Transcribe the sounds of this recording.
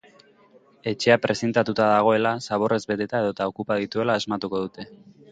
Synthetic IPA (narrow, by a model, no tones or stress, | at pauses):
e̞t͡ʃe̞apɾʔe̞se̞nt̪at̪ut̪aðaɣ̞o̞e̞lasaβo̞re̞zbe̞t̪e̞t̪ae̞ðo̞t̪ao̞kupað̞it̪ue̞laezmat̪uko̞ðut̪e̞